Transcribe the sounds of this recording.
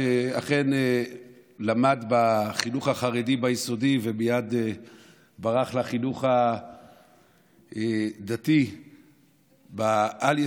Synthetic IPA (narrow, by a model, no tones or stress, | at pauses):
aχe̞ne | lamadbaχiluχhaχaʁedibajiso̞divemijad̪e | baʁaχlaχiluχa | d̪at̪i | baalj